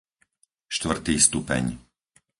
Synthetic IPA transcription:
ʃt̪ʋr̩t̪iːst̪upɛ̰ɲ

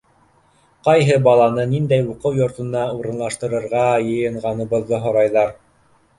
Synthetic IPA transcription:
qɑjɦɤbɑlˠɑnɤnind̪æjuqɤwjŏɾt̪ɤ̆nɑuɾɤ̆nlˠɑʃt̪ɤ̆ɾɤ̆ɾʁɑjɤ̆jɤ̆ɴʁɑnɤ̆βɤ̆ðːɤɦŏɾɑjðɑɾ

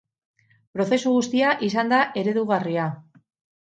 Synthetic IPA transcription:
pɾo̞θe̞suɣust̪iaʔisand̪aʔe̞ɾe̞ðuɣaria

